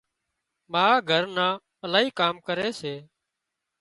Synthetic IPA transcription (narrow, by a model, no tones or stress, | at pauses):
maːɡʱəɾnãː | əlaːɦiːkaːmkəɾeːseː